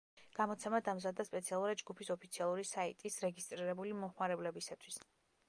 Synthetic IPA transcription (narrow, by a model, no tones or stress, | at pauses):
ɡ̥amɔt̪sʰɛmad̪amzad̪ːaspʼɛt̪sʰialˠuɾid͡ʒɡupʰisɔpʰit̪sʰialˠuɾisaḭt̪ʼisɾɛɡist̪ʼɾiɾɛbulimɔmχmaɾɛblɛbisat̪ʰwis